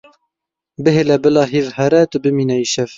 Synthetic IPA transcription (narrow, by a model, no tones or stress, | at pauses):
bɨɦelɛbɨlɑːɦiːɾhɛɾɛt̪ʊbɨmiːnɛjiʃɛv